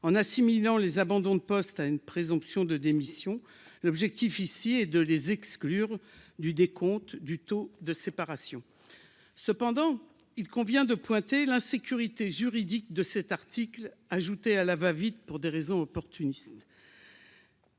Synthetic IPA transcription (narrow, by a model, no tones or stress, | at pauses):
ɑ̃nasimilɑ̃lezabɑ̃d̪ɔ̃d̪əpɔst̪aynpχezɔ̃psjɔ̃d̪əd̪emisjɔ̃ | lɔbʒɛk̚t̪ifisiɛd̪əlezɛksklyʁd̪yd̪ekʰɔ̃t̪d̪yt̪od̪əsepaʁasjɔ̃ | səpɑ̃d̪ɑ̃ | ilkɔ̃vjɛ̃d̪əpwɛ̃t̪elɛ̃sekʲyʁit̪eʒyʁid̪ik̚d̪əsɛt̪aʁt̪iklaʒut̪ealavavid̪puʁd̪eʁezɔ̃ɔpɔʁt̪ynist̪